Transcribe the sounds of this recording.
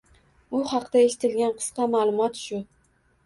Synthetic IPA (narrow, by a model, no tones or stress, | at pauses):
ʊhɑqd̪̥aeʃɪ̥t̪ʰɪlɡʲanqʰɨ̥sqɑmaːlˠʊmɒt̪ʃʊ